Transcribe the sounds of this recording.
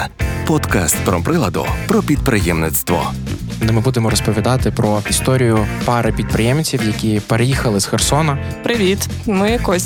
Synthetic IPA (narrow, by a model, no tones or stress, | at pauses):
pɔt̪ka̰st̪̚pɾɔpɾɪlˠɐd̪ʊ̰pɾɔpʲid̪pɾɪjɛmnɪt̪st̪ʋɔ̰ | nɛmɪbud̪emɔɾɔspɔʋʲid̪ɑt̪ɪpɾɔist̪ɔɾʲijʊpɑɾɐpʲid̪̚pɾɪjɛmt͡sʲiwjɐkʲipeɾejixɐlˠɪsxersɔnɐ | pɾɪʋʲit̪ | mɪjɐkɔsʲ